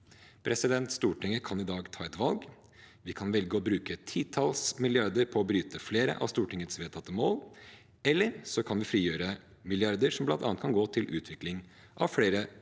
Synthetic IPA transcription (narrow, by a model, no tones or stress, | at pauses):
pʰɾɛsɪd̪ɛnt̪st̪uːʈʰɪŋːəkʰɑnɪd̪ɑːɡt̪ʰɑːɛt̪ʋɑlɡ | ʋɪkʰɑnʋɛlɡəɔbɾʉːkət̪ʰiːt̪ʰɑlsmɪlɪɑɾd̪əɾpʰɔːbɾyːt̪əfleːɾə̰ʔɑ̰ʋst̪uːʈɪŋːət̪sʋeːt̪ʰɑt̪ːəmoːl | ɛlːəɾsɔkʰɑnʋɪfɾiːjøːɾə | mɪlɪɑɾd̪əɾʂɔmblɑnt̪ɑ̰nət̪kʰɑnɡoːt̪ʰɪlʔʉ̰ːt̪ʰʋɪklɪŋ | ʔɑʋfɽeːɾə